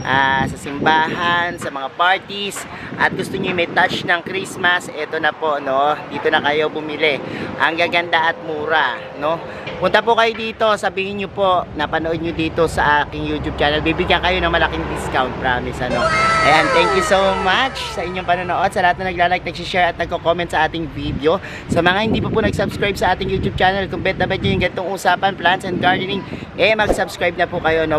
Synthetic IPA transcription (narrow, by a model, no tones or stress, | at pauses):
ʔaːsɐsɪmbaːɦɐnsɐmɐŋapaɹt̪is | ʔɐt̪̚ɡʊst̪oɲomɐjt̪at͡ʃnɐŋkɾismɐsʔɛt̪onɐpo̞ʔno̞d̪iːt̪o̞nɐkɐjo̞bʊmɪlɛʔɐŋɡaːɡɐnd̪aʔɐt̪̚muːɾɐ | no̞ | pʊnt̪ɐp̬ʊkɐjod̪iːt̪o̞sɐbiːhɪnɲopo̞ʔnɐpɐnoʔo̞d̪̚ɲod̪iːt̪o̞sɐʔaːkɪŋjuːt̪jub̚t͡ʃaːnɛlbibɪɡjɐŋkɐjo̞nɐŋmɐlɐkɪŋd̪ɪskawnt̪̚pɹaːmɪsʔɐno̞ʔɐjant̪ɛŋkjusowmat͡ʃsɐʔɪɲoŋpɐnonoʔo̞d̪̚sɐlɐhat̪nɐŋnɐɡ̚laːlajk̚nɐɡ̚siʃɛɹɐt̪̚nɐɡ̚kokomɛ̃nt̪sɐʔaːt̪ɪŋvid̪eo̞ | sɐmɐŋahɪnd̪iːpɐpunɐɡ̚sɐbskɹajb̚sɐʔaːt̪ɪŋjuːt̪jub̚t͡ʃaːnɛlkʊmpɛt̪̚ɐbɛt̪̚ɲojʊŋɡɐnt̪oŋʔuːsaːpɐnplansɛnd̪ɡaɹd̪ɛnɪŋʔɛmɐɡsɐbskɹajb̚nɐpukɐjo̞no